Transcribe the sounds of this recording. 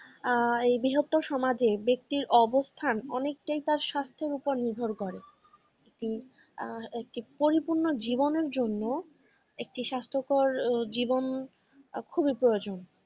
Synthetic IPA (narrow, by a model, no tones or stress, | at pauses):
ejbiɦot̪ːoʃɔmad͡ʑebek̚t̪iɾʔɔbost̪ʰanɔ̰nek̚ʈajt̪aɾʃast̪ʰeɾupoɾniɾbʱoɾkɔɾe | ek̚ʈi | ek̚ʈipoɾipuɾnod͡ʑiboneɾd͡ʑonːo | ek̚ʈiʃast̪ʰokoɾd͡ʑibon | kʰubipɾood͡ʑon